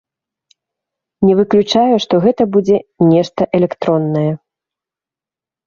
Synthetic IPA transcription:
nʲɛvɨklʲut͡ʂajuʂt̪ɔɣɛt̪ɐbud͡zʲɛnʲɛʂt̪ɐʔɛlʲɛkt̪ɾɔnːɐjɛ

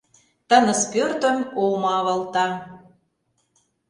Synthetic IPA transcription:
t̪ə̆nə̆spørt̪ə̆mowmɑβɑlt̪ɑ

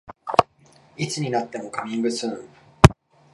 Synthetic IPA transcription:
it͡sɨɲ̟inat̪ːe̞mo̞kamʲĩŋbɯ̟sɨ̃

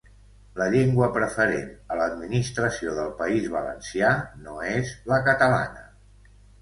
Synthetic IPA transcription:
ləʎeŋɡwəpɾəfəɾḛnələd̪minist̪ɾəsioðəlˠpəizβələ̰nsianoezləkət̪əla̰nə

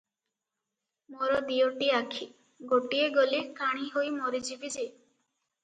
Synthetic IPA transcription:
moɾɔd̪ijoʈiakʰi | ɡoʈieɡolikaɽ̃iɦojmoɾid͡ʒibid͡ʒe

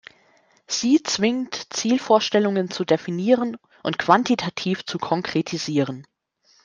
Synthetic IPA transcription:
z̥iːt͡sv̥ɪŋtt͡siːlfoːɐʃtɛlʊŋənt͡sudefiniːʁən | ʔʊntkv̥antitʰatʰiːft͡sukʰɔŋkʁ̥etʰiziːʁən

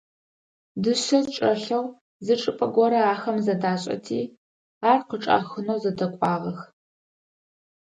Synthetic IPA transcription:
dɨʃɐzt͡ʃʼɐɬɐw | zɨʈ͡ʂʼɨpʼɐɡʷɔɾɐaːxɐmzɐdaːɕʼɐ̰tʰḭː | aːrqəʈ͡ʂʼa̰ːxɨnowzɐdɐkʷʼɑːʁɐx

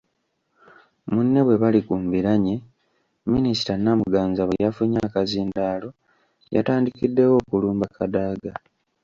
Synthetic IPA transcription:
munːe̞βwe̞βalikuːmbiɾaɲe | minisi̥tanːamuɡaːnzaβwejafuɲakaziːndaːlo̞ | ja̰taːndikidːe̞wo̞ːkuluːmbakʰadaːɡa

